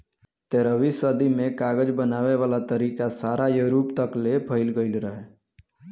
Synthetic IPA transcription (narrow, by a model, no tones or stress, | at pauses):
t̪eɾəʋisəd̪imẽkaːɡəd͡ʒbənaːʋeʋaːlat̪əɾiːkasaːɾajəɾuːpt̪əklepʰəɪlɡəɪlɾəɦe